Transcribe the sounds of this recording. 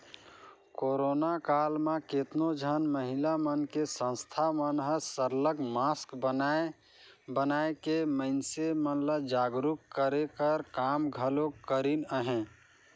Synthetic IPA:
koɾonakalmãket̪nod͡ʒʱənməɦilamənkesə̃st̪ʰamənɦəsəɾləɡmaskbə | bənaekeməɪnsemənləd͡ʒaɡɾukkəɾekəɾkamɡʱəlokːəɾinəɦẽ

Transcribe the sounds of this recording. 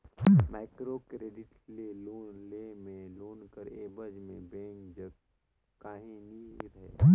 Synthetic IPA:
ɦmaːɪkɾokɾeːɖɪʈleloːnlemẽloːnkəɾeːbəd͡ʒmẽbẽːŋkd͡ʒəɡ | kaːɦeniɾɐɦeː

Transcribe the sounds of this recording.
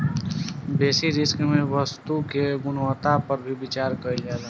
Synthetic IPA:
beːsiɾɪskmẽwəst̪ukeɡʊnwət̪apəɾbʱibɪt͡ʃaːɾkəid͡ʒaːla

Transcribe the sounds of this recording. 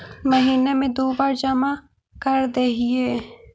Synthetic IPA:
məɦiːnemẽd̪oːbaːɾd͡ʒəma | kɐɾd̪eɦieː

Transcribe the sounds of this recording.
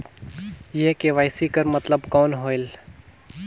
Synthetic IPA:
jekeʋaːɪsiːkəɾmɐt̪ləbkɔːnɦoːɪl

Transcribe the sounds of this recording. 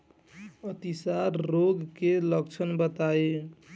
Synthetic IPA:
ət̪isaɾːoɡkeləkt͡ʃʰənbət̪ae

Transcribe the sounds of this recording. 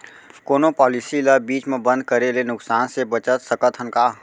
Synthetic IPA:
koːnopɔːlɪsiləbiːt͡ʃmẽbə̃nd̪̚kəɾelenʊksaːnsebət͡ʃət̪səkət̪ɦənkaː

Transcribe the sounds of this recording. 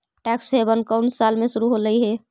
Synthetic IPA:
ʈɛksɦebənkəʊnsalmesuɾuɦoləiɦɛ

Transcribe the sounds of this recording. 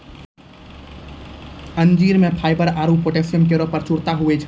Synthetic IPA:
ənd͡ʒiɾmepʰajbəɾaɾupoʈesijəmk̬eɾopəɾt͡ʃuɾt̪aɦuɛt͡ʃʰ

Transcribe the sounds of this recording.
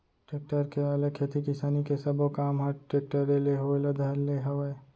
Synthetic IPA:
ʈeːk̚ʈəɾkeɐlekʰeːt̪ikɪsaːnikesɐbokaːmɦɐʈeːk̚ʈəɾeleɦoelɐd̪ʱɐleɦɐe

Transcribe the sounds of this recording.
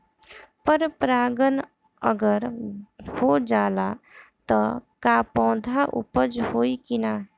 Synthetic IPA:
pəɾpɾaːɡən | ə̰ɡəɾhod͡ʒaːlat̪ɔkapɔ̃ːd̪ʱaʔʊ̰pəd͡ʒhoːikinaː

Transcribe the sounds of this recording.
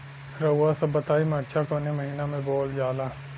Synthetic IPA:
ɾɐɦʊːasɐbːɐt̪aːimɐɾt͡ʃʰakoːnemɐɦiːnamẽboːld͡ʒaːlaː

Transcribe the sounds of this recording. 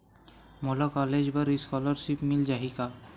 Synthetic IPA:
molɔkɔled͡ʑbaɾiskɔlɔɾʃipmild͡ʒaɦika

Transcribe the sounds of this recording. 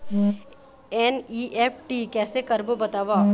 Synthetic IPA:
ɛːniːʔɛːp̚ʰʈiːkɛːsekɐɾbobɐt̪aːʋa

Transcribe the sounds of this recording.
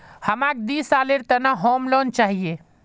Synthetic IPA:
həmak̚d̪isaleɾt̪ənaɦomlɔnt͡ʃaɦije

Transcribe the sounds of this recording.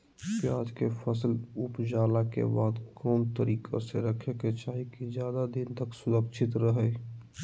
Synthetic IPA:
pjaːd͡ʒkefʰəsəlʊpd͡ʒaːlakḛbaːd̪kɔːmt̪əɾiːkʰa̰seɾəkʰeket͡ʃaːɦikid͡ʒjaːd̪ad̪ɪnt̪əksʊd̪əkt͡ʃʰɪt̪ɾəɦə

